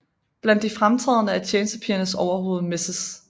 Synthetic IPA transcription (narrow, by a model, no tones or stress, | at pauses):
b̥læn̰d̥ːifʁamt͡sʰʁɛð̞ˠnəæt͡ɕʰjeːnəsd̥əpʰiɐnəsɒʊɐɦo̝ːð̞̩ˠme̝səs